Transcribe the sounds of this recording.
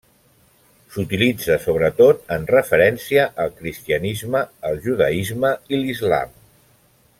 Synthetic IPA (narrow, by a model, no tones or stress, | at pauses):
sut̪ilid͡zəsoβ̞ɾət̪ot̪̚ənrəfəɾɛnsiəʔəlˠkɾist̪iənizməːlˠʒuðəizməilizla̰m